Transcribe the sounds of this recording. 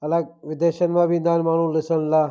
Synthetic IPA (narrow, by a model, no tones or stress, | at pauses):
ɐlaɡ̚ʋɪd̪eːʃənmãːbʱind̪aːnmaːnũːlɪsənla